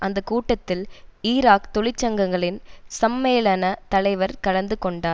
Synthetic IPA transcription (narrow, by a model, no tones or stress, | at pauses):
ʔɐnd̪ɐkuːʈːɐt̪ːɪliːɾaːkt̪ɔɭɪt͡ʃːɐŋɡɐŋɡɐɭɪnsɐmːeːlɐnɐt̪ɐlɐɪʋɐɾkɐlɐnd̪ɯkɔɳɖaː